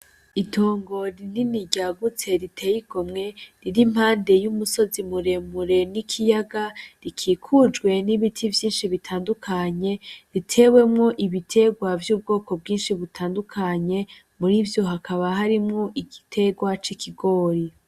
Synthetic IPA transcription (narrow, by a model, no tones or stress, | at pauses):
itʰo̞ːŋɡo̞ɾininiɟaɡut͡se̞ɾitʰe̞jiɡomŋe̞ɾiɾim̥haːnde̞jumuso̞zimuɾe̞muɾe̞nikʰijaɡaɾikʰiːkʰud͡ʒɡwe̞niβitʰivjiːnʃiβitʰaːndukʰaɲe̞ɾitʰe̞we̞mŋo̞ʔiβitʰe̞ɡwavjuːb̚ɡo̞ːko̞b̚ɡiːnʃiβutʰaːndukʰaɲe̞ | muɾivjo̞ɦakʰaβaɦaɾimŋo̞ʔiɡitʰe̞ɡwat͡ʃikʰiɡo̞ːɾi